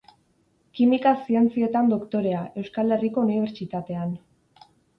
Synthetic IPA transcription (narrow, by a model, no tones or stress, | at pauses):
kimikasie̞nt͡sie̞t̪and̪o̞kt̪o̞ɾe̞aʔe̞wskale̞riko̞uniβe̞ɾt͡sit̪at̪e̞an